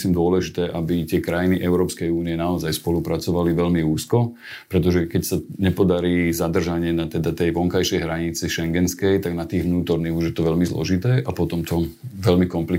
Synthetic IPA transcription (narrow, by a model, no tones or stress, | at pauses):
siːmd̪ʊɔlɛʒit̪ɛːʔabit̪ɪɛkɾajniʔɛʊɾɔːpskɛjuːniɛnaɔzajspɔlupɾat͡sɔʋaliʋɛʎmiuːskɔ | pɾɛt̪ɔʒɛkɛcsaɲɛpɔd̪aɾiːzad̪r̩ʒaɲɪɛnat̪ɛd̪at̪ɛjʋɔŋkajʃɛjɦɾaɲit͡siʃɛŋɡɛnskɛjt̪aɡnat̪iːɣʋnuːt̪ɔɾniɣuʒjɛt̪ɔʋɛʎmizlɔ̰ʒit̪ɛːʔapɔt̪ɔmt̪ʰɔʋɛʎmikɔmpli